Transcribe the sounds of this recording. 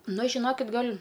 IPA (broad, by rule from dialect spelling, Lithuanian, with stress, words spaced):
ˈnʊ ʒʲɪˈnoːkʲɪt ˈɡɐlʲ